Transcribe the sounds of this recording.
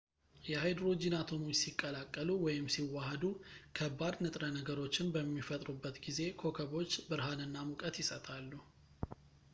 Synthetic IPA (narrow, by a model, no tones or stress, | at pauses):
jɛhajd̪ɾo̞d͡ʒinat̪ʰo̞mujsikʼːəlakʼːəluwɔjɪmsiwːahəd̪ukʰəbːad̪nɨt̪ʼɾənəɡəɾo̞t͡ʃːɪnbəmːifət̪ʼɾubːət̪ɡize̞kʰo̞kʰəβo̞t͡ʃːbɨɾɦanɨnːamukʼət̪jɪsət̪ʰʼalːu